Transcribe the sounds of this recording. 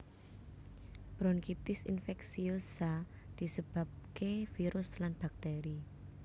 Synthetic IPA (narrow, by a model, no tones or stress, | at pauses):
b̥ɾɔnkit̪ɪsinfɛksiosa | d̪̥i̤səb̥a̤p̚kefiɾʊslanb̥ak̚t̪eɾi